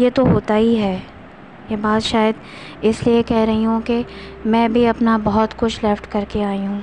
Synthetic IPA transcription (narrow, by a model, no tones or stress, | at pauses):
jet̪oɦoːt̪aiɦɛː | jebaːd̪ʃaːjəd̪ | ɪsliekɛɦɾɐɦiɦũke | mɛ̃ːbʱiɐpnabɐɦɔt̪kʊt͡ʃʰleːfʈkɐɾkeaːiɦũː